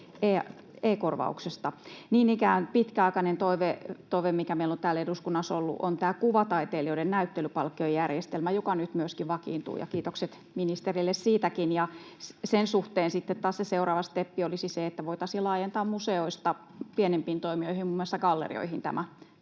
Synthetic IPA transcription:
eː | eikorʋɑ̰ṵksest̪ɑniːnikæːnpit̪kæɑˑikɑnent̪oiʋet̪oiʋemmikæmeilont̪æːleduskunːɑsolːṵʔo̰nt̪æːkuʋɑt̪ɑit̪eːlioidennæyt̪ːelypɑlkːiojjærjest̪elmæjokɑnyt̪myøskiʋɑkḭːnt̪ṵːjɑ̰kiːt̪okset̪ | minist̪erilːessiːt̪ækinjɑssensuht̪eːnsit̪ːet̪t̪ɑːsseseurɑːʋɑst̪epːiolisiseet̪ːæʋoit̪ɑsilɑːjent̪ɑːmmuseoist̪ɑ | pienempiːnt̪oimioihimumːŏˑlesɑɡɑlːḛrḭo̰ihint̪æ̰mæ

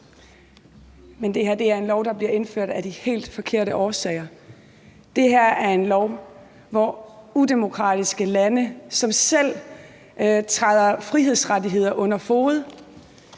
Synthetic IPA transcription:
mend̥e̝hæɐ̰d̥e̝æɐe̝nlɒʊɾ̥ɑ̈b̥liɐe̝nføɐ̰d̥æd̥ihe̝̰ːld̥fɒ̽kʰe̝ɐ̰ɾəʔɒːsɛ̰ːɪɐ | d̥e̝ɦæɐ̰æɐe̝nlɒʊ | ʋɒude̝mo̝kʰʁɑ̰̈d̥isɡ̥əlænəsɒ̽msel̰ | t͡sʰʁað̞̰ˠɐfʁiɦeð̰ˠsʁadiɦe̝ð̞̰ˠɐʔɔ̽n̰ɐfo̝ːð̩ˠ

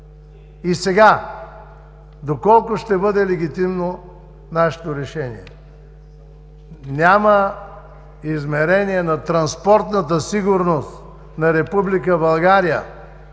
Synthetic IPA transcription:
isɛɡa | d̪okɔlˠkʊʃt̪ɛbɤd̪ɛlɛɡ̟it̪imno | naʃɛ̥t̪oɾɛʃɛnḭɛ | nʲamə | izmɛɾɛniɛnɐt̪ɾɐnspɔɾt̪nət̪̬əsiɡʊɾnost̪ | nɐɾɛpublik̬əbɐlˠɡaɾijə̰

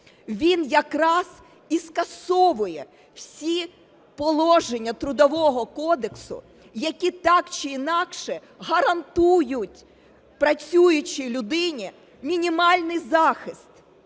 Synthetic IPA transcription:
ʋʲinjɐkɾɑz̥ | iskɐsɔʋʊjɛ | w̥sʲi | pɔlˠɔʒenʲːɐt̪ɾʊd̪ɔʋɔɦɔkɔd̪eksʊ̰ | jɐkʲit̪ɑkt͡ʃɪinɑkʃɛ | ɦɐɾɐnt̪ujʊtʲ | pɾɐt͡sʲujʊt͡ʃɪlʲʊd̪ɪnʲi | mʲinʲimɑlʲnɪjzɑxɪst̪

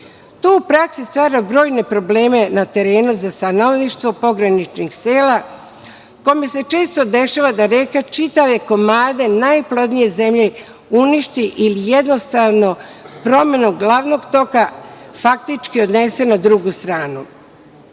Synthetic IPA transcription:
t̪uupɾaksist̪ʋaːɾabɾo̞ːjne̞pɾo̞ble̞ːme̞nat̪e̞ɾe̞ːnuzast̪ano̞ʋniʃt̪ʋo̞po̞ɡɾanit͡ʃnixse̞ːla | ko̞mese̞t͡ʃe̞ːst̪o̞d̪e̞ʃaʋad̪aɾekat͡ʃit̪aʋe̞ko̞maːd̪e̞najplˠo̞d̪nije̞ze̞mʎe̞ | uniʃt̪iʔilijed̪no̞st̪aʋno̞pɾo̞me̞nuɡlaːʋno̞ɡt̪o̞kafakt̪it͡ʃkio̞d̪ne̞se̞nad̪ɾuɡust̪ɾaːnu

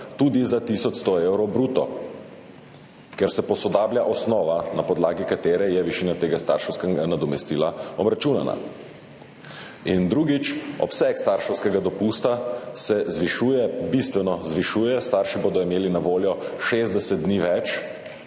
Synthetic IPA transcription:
t̪uːd̪izat̪isɔt͡ʃ̪st̪ɔeːwɾɔbɾuːt̪ɔ | kɛɾsɛpɔsɔd̪aːbljaʔɔsnɔːʋanapɔd̪laːɡikat̪eːɾɛjɛʋiʃiːnat̪eːɡast̪a̰ɾʃɐwskɛɡanad̪ɔmɛst̪iːlaɔbɾat͡ʃuːnana̰ | ind̪ɾuːɡit͡ʃɔ̰psɛkst̪aɾʃɐwskɛɡad̪ɔpuːst̪asɛzʋiʃuːjɛbist̪ʋɛnɔzʋiʃuːjɛst̪aɾʃiboːd̪ɔimeːlinaʋoːljɔʃezd̪ɛsɛt̪̚d̪niːʋɛt͡ʃ

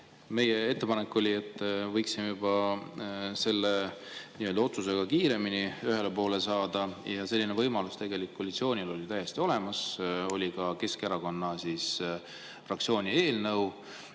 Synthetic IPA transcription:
me̞jee̞t̪ːˑe̞pɑnekːˑo̞lʲie̞t̪ːˑvɤjksimejubɑ | se̞lːeniːø̞ld̪ɑo̞t̪suse̞ɡ̥ɑkiːɾe̞miniyɦe̞lepo̞ːle̞sɑːd̪̥ɑjɑse̞lːinevɤjmɑlust̪e̞ɡe̞likkːolʲːit̪sio̞ːnʲilo̞lʲit̪æjːe̞st̪io̞le̞mɑso̞lʲikɑke̞skeɾɑko̞nːɑsis | frɑk̚tsio̞ːnʲie̞ːlnɤw

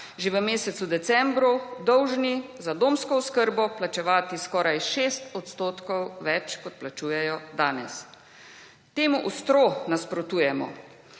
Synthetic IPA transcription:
ʒeʋəmeːsɛt̪sud̪ɛt̪sɛmbɾud̪ɔwʒnizad̪oːmskɔuskəɾbɔplat͡ʃɛʋaːt̪iskɔːɾajʃeːst̪ɔt̪st̪oːt̪kɔwʋɛt͡ʃkɔt̪̚plat͡ʃuːjɛjɔd̪aːnɛs | t̪eːmuʔust̪ɾoːnaspɾɔt̪uːjɛmɔ̰

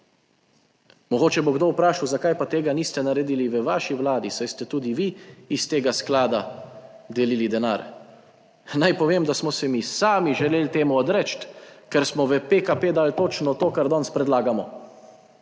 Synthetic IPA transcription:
mɔɡoːt͡ʃɛboɡd̪owpɾaːʃawzakaːjpat̪eːɡaniːst̪ɛnaɾɛd̪iːliʋəʋaːʃiwlaːd̪isajst̪ɛt̪uːd̪iʋiːst̪eːɡasklaːd̪ad̪ɛliːlid̪ɛnaːɾ | najpɔʋeːmd̪asmɔsɛmisaːmiʒɛleːlt̪eːmuɔd̪ɾɛt͡ʃt̪kɛɾsmɔʋəpekapeːd̪aːlt̪oːt͡ʃnɔt̪oːkaɾd̪ɔnspɾɛd̪laːɡamɔ

